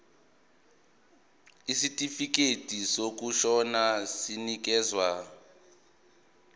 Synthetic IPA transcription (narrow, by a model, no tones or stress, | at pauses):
isitʼifik̬etʼisok̬uʃɔnasinik̬ɛːzwa